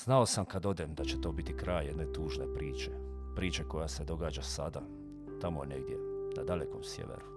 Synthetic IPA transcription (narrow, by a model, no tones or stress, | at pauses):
z̥naosamkad̪o̞d̪emd̪at͡ɕet̪o̞ːbit̪ikɾaːjjed̪ne̞t̪uːʒnepɾiːt͡ʃepɾiːt͡ʃeko̞jased̪o̞ɡaːd͡ʒasa̰d̪a | t̪amoene̞ɡd̪je̞̰nad̪aleko̞msjḛʋḛɾu